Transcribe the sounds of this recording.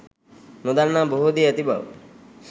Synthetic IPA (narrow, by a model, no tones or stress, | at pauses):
nud̪annaboɦud̪iət̪ibʱa̰ʋ